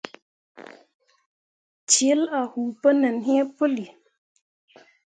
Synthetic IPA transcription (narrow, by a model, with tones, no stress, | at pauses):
t͡ʃe˨˦la˨hu˨pə˦nə˨nɦĩ˦ə˦pə˦li˨